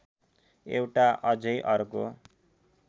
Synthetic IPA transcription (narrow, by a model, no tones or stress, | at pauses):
ewʈaʔʌd͡zʌjʔʌrko